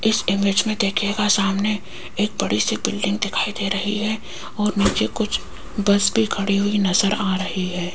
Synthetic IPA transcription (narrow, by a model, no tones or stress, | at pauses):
ɪsɪmɪd͡ʒmẽd̪eːkʰeɡasaːmne | eːk̚bɐɽisebɪlɖɪ̃ŋɡ̚d̪ɪkʰaːid̪eɾɐɦiɦɛ | ɔːɾniːt͡ʃekʊt͡ʃʰ | bɐsbʱikʰɐɽiɦuinɐzəɾaːɾɐɦiɦɛː